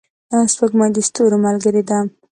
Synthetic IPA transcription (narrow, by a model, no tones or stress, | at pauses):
aspəɡmɑd̪ist̪oɾomalɡəɾed̪a